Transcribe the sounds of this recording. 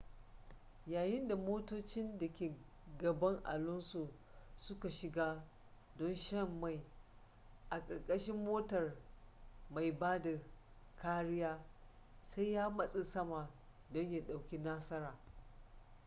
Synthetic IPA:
jaː˨jɪ˦nda˨moː˦toː˦t͡ʃɪ˦ndɐ˨kʲeː˨ | ɡɐ˨bɐ˦ŋʔa̰˨lʊ˦nso˨ | sʊ˦ka˨ʃɪ˨ɡaː˦ | dɔ˦nʃɐ˦mːa˦˨j | ʔa˨kʼɐ˨rkʼɐ˦ʃɪ˦mːoː˦tɐ˨r | ma˨jbaː˦da˨ | kʰaː˦ɽɪ˦jaː˦ | sa˦jjaː˦mɐ˦sʼe˨sɐ˦maː˨ | dɔ˦ɲja˦ɗa˨wkʲi˦naː˦sɐ˦ɾaː˨

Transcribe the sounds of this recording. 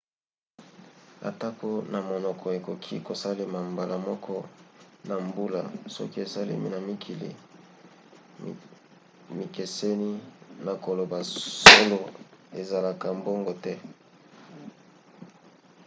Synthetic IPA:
a̰˨ta˦ko˦na˨mo˨nɔ˨kʰɔ˨e˨ko˨kʰi˦ko˨sa˦le˨ma˨mba˨la˨mɔ˦kʰɔ˦na˨mbu˦la̰˨sɔ̰˦ki˦e˨sa˦lḛ˦mḭ˦na˨mi˦kʰi˨lḭ˨ | mi˨ke˨se˦ni˦na˨ko˨lo˨ba˨so˦lo˨e˨za˨la˨ka˨mbo˦ŋɡo˨tɛ˦

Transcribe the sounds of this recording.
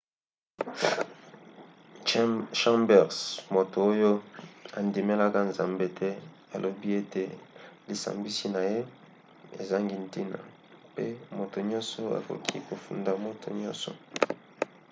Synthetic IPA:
ʃã˦mbɛ˨ʁsmo˨to˨o˦jo˦a˨ndi˨me˦la˦ka˦nza˨mbe˦tʰɛ˦ | a˨lʔo˨bi˦e˦te˨li˨sa̰˨mbi˦si˦na˨je˦ | ḛ˨za˦ŋɡi˨nti˦na̰˨ | pe˦mo˨to˨ɲɔ̃˦nsɔ˦a̰˨fo̰˨kʰi˦ko˨fu˨nda˨mo˦tʰo̰˨ɲɔ̰˦sɔ̰˨

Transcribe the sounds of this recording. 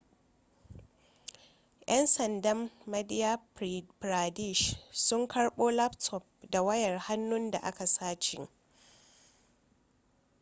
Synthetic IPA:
ʔɛ˦nsɐ˨ndɐ˦mːɐ˦dɪ˦ja˦bɾaː˨di˦˨ʃsʊ˦ŋkʰɐ˦ɽɓoː˦la˦ptʰɔ˨p̚da˨wɐ˦jɐ˨rha˦nːʊ˦nda̰˨ʔa˦ka˨saː˦t͡ʃɪ̰˨ŋ

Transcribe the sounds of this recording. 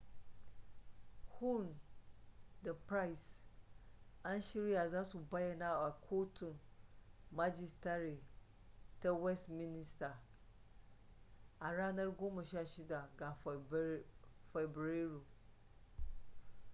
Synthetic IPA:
hu˦n | də˨pʰɾa˦i˨s | ã˦n˦ɕi˦ɾi˦a˨zã˦sʊ˨ba˦jɛ˨nã˦˨a˨kʰo˦tʰʊ̃˨n | ma˦d͡ʒi˦stʰa˦ɾɪ˨ | tʰɛ˦wɛ˦stmĩ˦nĩ˦stʰa˨ | a˨ɾa˦nã˦ɾɡʊ̃˦mʊ̃˨ɕɛ˦a˨ɕi˦da˨ɡa˨f | fɛ˨bɾe˦ɾo˨

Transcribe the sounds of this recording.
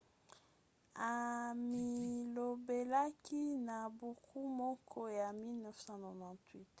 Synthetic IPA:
a˨mi˨lo˨be˨la˦ki˦na˨bo˨kʰu˦mɔ˦kʰɔ˦ja˨mi˦lnɛ˦fsã˦no˨nã˨twi˦t

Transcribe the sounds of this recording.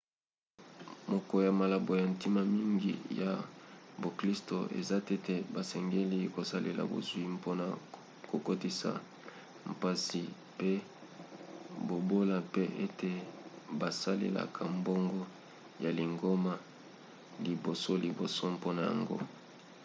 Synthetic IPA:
mɔ˦kɔ˦ja˨ma˨la˨bo˨ja˨nti˦ma˦mi˦ŋɡḭ˨ja˨bo˨kli˦sto˨ʔḛ˨za˦te˦te˨ba˨sɛ˨ŋɡe˦li˦ko˨sa˦lḛ˨la̰˨bo̰˨zwi˦mpo˦na˨ | ko˨ko˦ti˦sa̰˨ | mpa˦si˨ | pe˦ | bo˨bo˦la˨pe˦ʔe˦te˨ba˨sa˦lḛ˨la̰˨kʰa˨mbo˦ŋɡɔ˦ | ja˨li˨ŋɡo˦ma˦ | li˨bo˨so˦li˨bo˨so˦mpo˦na˨ja̰˨ŋɡo̰˦

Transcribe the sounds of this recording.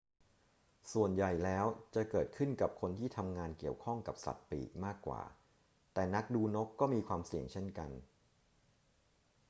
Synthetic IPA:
su˨˩ənja˨˩jlɛː˦˥wt͡ɕa˨˩kɤː˨˩t̪̚kʰɯ˥˩nka˨˩p̚kʰo˧nt̪ʰiː˥˩t̪ʰa˧mŋaː˧nki˨˩əwkʰɔ˥˩ŋka˨˩p̚sa̰˨˩t̪̚pḭː˨˩k̚maː˥˩kːwa̰ː˨˩ | t̪ɛː˨˩na˦˥k̚duː˧no˦˥kːɔː˥˩miː˧kʰwaː˧msi˨˩əŋt͡ɕʰe˥˩nka˧n

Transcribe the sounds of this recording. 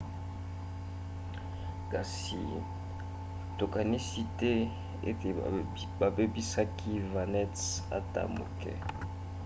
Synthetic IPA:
ka˨s | ḭ˨ | to˨ka˨ni˦si˦tɛ˦ | ḛ˦˨ | ba˨be˦bi˦sa˦kʰi˦va˨nɛ˦tsa̰˦ta̰˨mo̰˨kɛ̰˦

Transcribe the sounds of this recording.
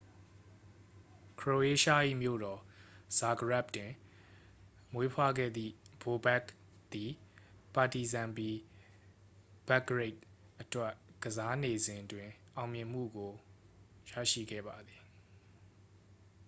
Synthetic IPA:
kʰɹo˨e˦ʃa̰˦˨ʔḭ˦˨mjo̰˦˨ɾɔ˨z̥a˨ɡəɹa˦˨p̚twɪ̃˨ | mwe˦pʰwa̰˦˨ɡɛ̰˦˨d̪ðḭ˦˨b̥o˨bɛ˦˨k | t̪i˨pa˨ti˨zã˨mpi˦ | b̥a˦ɡəɹe˦˨t̚ | ʔətwɛ˦ʔɡ̥əza˦ne˨zɪ̃˨ndwɪ̃˨ʔã˨ʊ̃mjɪ̃˨m̥ṵ˦˨ɡo˨ | jä̰˦˨ʃḭ˦˨ɡɛ̰˦˨ba˨d̪ði˨

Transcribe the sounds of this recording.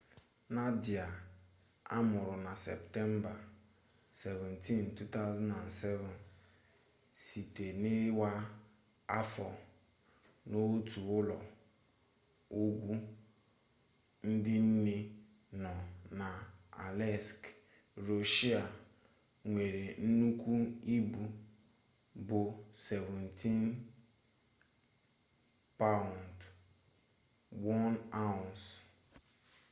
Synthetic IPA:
na˦di˨a˨ | a̰˦mʊ˨ɾʊ˨na˨sɛ̰˨ptɛ˦m˦ba˨ | se˨vɛ̃˨nti˦ntu˦ta˦ʊ˦za˦nã˨nsɛ˦vʊ˨n | si˨te˨nɪ˦wa˦ | a˦fɔ˨ | no˦tu˨ʊ˦lɔ˨ | o˦ɡʷu˦ | n̩˦dɪ˦n̩˦ne˦ | nɔ˨na˨a̰˨lɛ˦˨sk | ɾo˨ʃi˦a˨ | ŋʷe˨ɾe˨n̩˦nu˦kʷu˦i˦bu˨ | bʊ˨sɛ˨vɛ˨ntʰi˦n | pa˦ʊ˨nd | wɔ˦na˦ʊ˨ns

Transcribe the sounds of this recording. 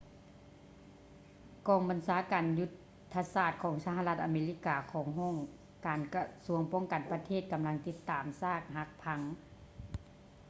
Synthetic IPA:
kɔː˧˩ŋba˨nsaː˨˦kaː˨nju˧˥t̪ʰː | a˧saː˧˩t̪̚kʰɔː˨˩˦ŋsa˧ɦa˧la˧t̪̚ʔaː˨meː˧li˧˥˩kaː˨˧kʰɔː˨˩˦ŋɦɔː˥˨ŋ | kaː˨nka˧su˧˩əŋpɔː˥˨ŋka˨npa˧t̪ʰeː˥˩t̪̚ka˨mla˧ŋt̪i˧˥t̪ːaː˨msaː˥˩k̚ha˧˥k̚pʰa˧˦˥ŋ

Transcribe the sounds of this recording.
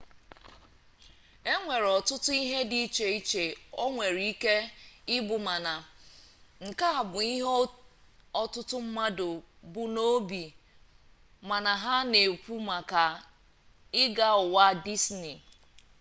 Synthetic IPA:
e˦ŋʷe˨ɾɔ˨tʊ˦tʊ˦i˦ɦe˦di˨i˦t͡ʃe˨i˦t͡ʃe˨o˦ŋʷe˨ɾi˦ke˦ɪ˦bʊ˨ma˨na˨ | ŋ̩˨ka˦a˨bʊ˨i˦ɦ | ɔ˦tʊ˦tʊ˦m̩˦ma˦dʊ˨ | bʊ˦no˦bi˨ | ma˨na˨ɦa˦ne˨pu˦ma˨ka˨ | ɪ˦ɡa˦ʊ˨wa˦di˦sni˨

